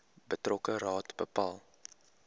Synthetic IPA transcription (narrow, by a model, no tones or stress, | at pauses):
bətrɔkəɾɑːtbəpɑːlˠ